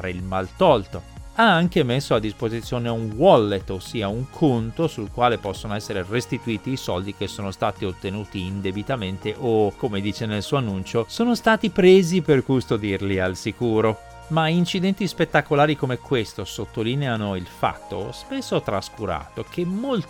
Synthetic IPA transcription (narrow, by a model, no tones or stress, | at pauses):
ɾeilmalt̪ɔlt̪oaaŋk̟emesːoad̪ːispozit̪sːjoːneuŋwɔlːet̪ːosːiːauŋkʰont̪osulkwaːlepɔsːonoɛsːeɾerest̪it̪uiːt̪iːsɔld̪ik̟esːoːnost̪aːt̪iot̪ːenuːt̪iːnd̪ebit̪ament̪eʔokːomed̪iːt͡ʃenelsuːoanːunt͡ʃosoːnost̪aːt̪ipɾeːziperkust̪od̪irlialsikuːɾo | maint͡ʃid̪ɛnt̪ispet̪ːakolaːɾikomɛkːwest̪osot̪ːoliːneanoilfa̰t̪ːo̰spesːot̪ɾaskuɾa̰ːt̪ok̟ʰemːol